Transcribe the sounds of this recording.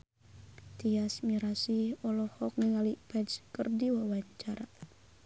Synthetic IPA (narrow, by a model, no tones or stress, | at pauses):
t̪iasmiɾasiɔlɔhɔk̚niŋalipɛdskərdiwawaɲt͡ʃaɾa